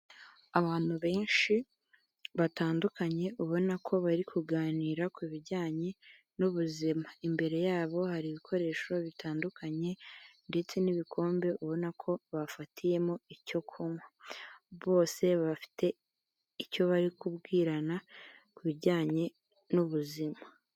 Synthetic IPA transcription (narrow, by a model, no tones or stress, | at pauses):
aβaːn̥huβe̞ːnʃi | βataːndukaɲe̞ʔuβo̞nakʰo̞βaɾikʰuɡaːniːɾakwuβiɾɟaːɲe̞ | nuβuzimaimbe̞ɾe̞jaːβo̞haɾiβikʰo̞ɾe̞ːʃo̞βitʰaːndukʰaɲe̞nde̞t͡se̞niβikʰo̞ːmbe̞ʔuβo̞nakʰo̞βafatʰije̞moico̞kʰomwaβo̞ːse̞βafi̥te̞ | ico̞βaɾikubɡiːɾana | kuβiɾɟaːɲe̞ | nuβuzima